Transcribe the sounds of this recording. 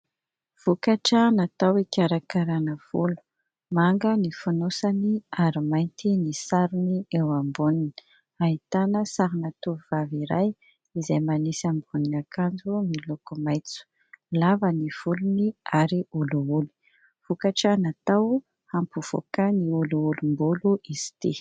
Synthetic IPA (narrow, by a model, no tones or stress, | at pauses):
v̥ukaʈ͡ʂənat̪awikʲaɾakaɾanəv̥ṵlu̥ | maŋɡənifunosaniaɾimajnt̪inisaɾuniewambunini̥ | ait̪anəsaɾinat̪uvuvaviɾa̰j | izajmanisambuninakand͡zumilokumajt͡su̥ | lavəniv̥uluniaɾiuluuli̥ | v̥ukaʈ͡ʂanat̪aw | ampuv̥o̰kaniuluulumbuluʔiz̥i̥t̪i